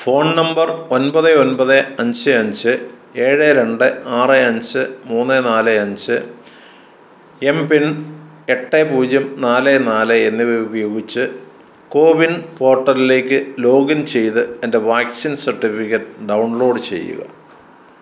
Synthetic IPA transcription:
fo̞ːɳnɐmbɐro̞nbɐðɨo̞nbɐðɨɐɲd͡ʑɨɐɲd͡ʑɨ | e̞ːɻeɾe̞ɳɖɨaːrɨɐɲd͡ʑɨmuːnːenaːlɨɐɲd͡ʑɨ | e̞mpin | e̞ʈːepuːd͡ʑjɐmnaːlenaːlɨenːiubɐjo̞ːɡit͡ɕːɨ | ko̞ːʋinpo̞ːrʈːɐɾile̞ːkʲːɨlo̞ːɡɐnt͡ɕe̞jt̪ɨe̞ndeʋaːksinsɐrʈːifikʲːɐʈːɨɖɐwɳlo̞ːɖɨt͡ɕe̞̰jːṵɣɐ̰

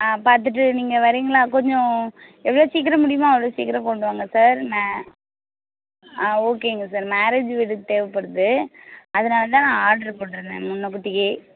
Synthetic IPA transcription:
apaːɾt̪̬ɯʈːɯniːŋɡɐʋɐɾiːŋɡɐlãːkɔɲd͡ʒɔ̃ | ɛʋːɐɭoːsiːk̬ːɐɾɐmʊɽɪjɐmãːɛʋɐɭoːsḭːkːɐɾɐpoːɳɖɯʋaːŋɡɐsaːɾmː | oːkeːŋɡɐsaːɾmaːɾeːd͡ʒʋiɽɯt̪eːʋɐpːɐɽɯðɯɐðɐnaːlɐt̪ãːnãːaːɾɖɐɾpoːɽɯɾɯnd̪ḛ̃ːmʊnːɐkʊʈːɪkeː

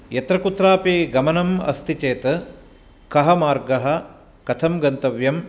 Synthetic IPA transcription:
jɐt̪ɾɐkut̪ːɾaːpeːɡɐmɐnɐmɐ̰st̪ʰit͡ʃeːt̪ɐ | kɐɦɐmaːɾɡɐɦɐ̆ | kɐt̪ʰɐmɡɐnt̪ɐʋjɐm

